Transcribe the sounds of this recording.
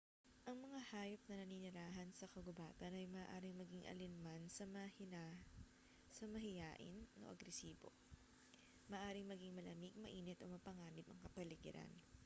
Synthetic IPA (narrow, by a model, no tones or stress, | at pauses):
ʔɐŋmɐŋahaːjop̚nɐnɐninɪɾaːɦɐnsɐkɐɡʊbaːt̪ɐnɐjmɐʔːʔaːɾɪŋmɐɡiŋʔɐ̰lɪnmansɐmɐhɪna | sɐmɐɦɪjaːʔɪ̰no̰ʔɐ̰ɡɾɛsiːbo̰ | mɐʔːʔaːɾɪŋmɐɡiŋmɐlɐmiɡ̚mɐʔiːnɛt̪ʔomɐpɐŋaːnɪbɐ̰ŋkɐpɐlɪɡɪ̰ɾɐ̰n